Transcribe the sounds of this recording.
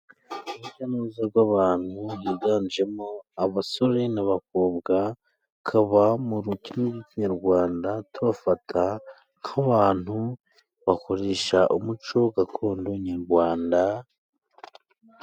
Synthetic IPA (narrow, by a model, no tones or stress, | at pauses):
uβucanuːzaɾɡwaβaːn̥hujiɡaːnd͡ʒe̞moaβaso̞ɾenaβakoːbɡa | kʰaβamuɾucinoɡiciɲaɾɡwaːndatuβafatʰa | ŋ̥haβaːn̥hu | βako̞ɾeːʃaʔumut͡ʃo̞ɡakʰoːndoɲaɾɡwaːnda